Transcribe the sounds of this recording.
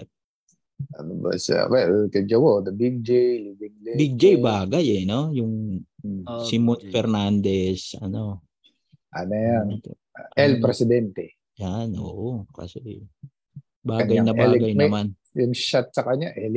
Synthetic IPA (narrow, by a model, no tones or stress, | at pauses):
t̪̚ | ʔɐnoba̰sa̰wɛlkɐd͡ʒɐwod̪ɐbiɡ̚d͡ʒejlivɪŋlibiɡ̚d͡ʒejbaːɡajɛno̞jʊŋ | simonfɛɾnand̪ɛsʔɐ̰no̞ | ʔɐnojant̪o̰ | ʔɛlpɾɛsɪd̪ɛnt̪ɛ | janʔo̰ːʔoka̰sɛ | baːɡɐjnɐbɐlɐɡajnɐman | jʊŋʃat̪̚sɐkɐɲaʔɛl